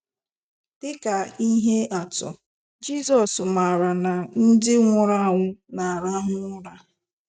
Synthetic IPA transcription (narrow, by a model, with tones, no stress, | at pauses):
d̥ɪ˦ka˨i˦ɦe˦ʔa˨tʊ̰˨ | d͡ʒi˦zɔ˨sma˨ɾa˨na˨n̩˦dɪ˦ŋʷʊ˨ɾa˦˨ŋʷʊ˦na˨a˨ɾa˦ɦʊ˦ŋʷʊ˦ɾa˦